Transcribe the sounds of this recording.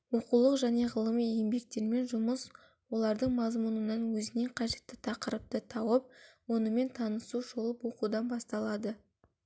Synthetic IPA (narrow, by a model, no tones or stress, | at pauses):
wo̞qulˠəqʒæne̞ʁəlˠəmijembe̞k̚t̪e̞ɾme̞nʒʊməs | wo̞lˠɑɾd̪əɴmɑzmunənɑnwɵzɪne̞ɴqʰɑʒe̞t̪ːɪt̪ʰɑqəɾəp̚t̪ət̪ʰɑwəp̚wo̞nəme̞nt̪ʰɑnəsuʒo̞lˠəpwo̞qud̪ɑnbɑst̪ɑlˠɑd̪ə